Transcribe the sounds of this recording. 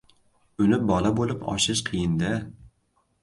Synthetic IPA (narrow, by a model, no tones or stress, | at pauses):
ʊnɪp̚bɒlabolˠɪpɒ̰ʃɪʃqʰɨjɪnd̪ɪ